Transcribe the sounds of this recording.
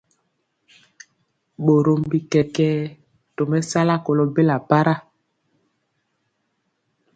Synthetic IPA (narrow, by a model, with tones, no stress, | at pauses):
ɓo˨ɾo˨mbi˨kɛ˨kɛ˦ | to˨mɛ˦sa˦la˦ko˨lo˦be˦la˨pa˦ɾa˦